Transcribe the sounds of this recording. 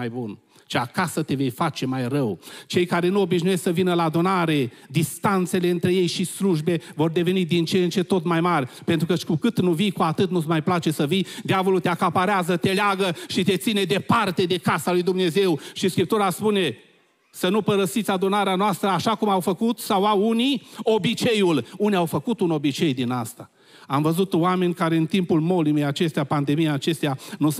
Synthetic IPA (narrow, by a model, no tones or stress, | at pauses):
ajbun | ʃeakasət̪eve̞jfat͡ʃe̞majrəwt͡ʃe̞jkaɾe̞nuo̞biʃnujesksəvinəlaːd̪unaɾe̞d̪ist̪ant̪se̞le̞ɨnt̪ɾe̞je̞jʃisluʒbe̞vo̞rd̪e̞ve̞nid̪int͡ʃent͡ʃe̞t̪o̞t̪majmarʲpent̪ɾukəkukɨt̪nuvijkuat̪ɨt̪̚nut̪smajplat͡ʃe̞səvijd̪javo̞lut̪eakapaɾeazət̪e̞leaɡəʃit̪e̞t̪sined̪e̞part̪e̞d̪e̞kasalujd̪umne̞ze̞wʃiskɾip̚t̪uɾaspune̞ | sənupəɾəsit̪sʲad̪unaɾeanoast̪ɾəaʃakumawfəkut̪sawawunio̞bit͡ʃe̞juluniawfəkut̪uno̞bit͡ʃe̞jd̪ina̰st̪a | amvəzut̪oame̞nʲkaɾeɨnt̪impulmo̞limejat͡ʃe̞st̪eapand̪e̞mijeat͡ʃe̞st̪eanu